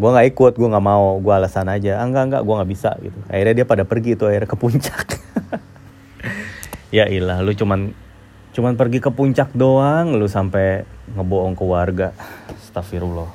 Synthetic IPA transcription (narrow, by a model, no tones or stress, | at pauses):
ɡuaŋɡaikʊt̪̚ɡuaŋɡaʔmaoɡuaːlasanad͡ʒaːŋɡaʔŋɡa̰ʔɡuaŋaʔbisa̰ɡḭt̪ua̰irɲadiapadapərɡiːt̪uairakəpuɲt͡ʃḁk | jaʔilahlut͡ʃuman | t͡ʃumanpərɡikəpuɲt͡ʃak̚doaŋlusampɛŋəboɔŋkəwarɡast̪afiɾulɔh